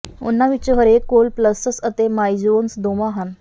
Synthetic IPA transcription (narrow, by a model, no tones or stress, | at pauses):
ṵnːaʋit͡ɕeɦəɾekolpləsəsət̪emajd͡ʑonsd̪omaɦan